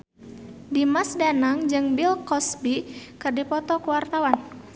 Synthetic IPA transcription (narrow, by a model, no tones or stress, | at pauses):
dimasdanaŋd͡ʒɨŋbilkɔsbikɨrdipɔt̪ɔkuwart̪awan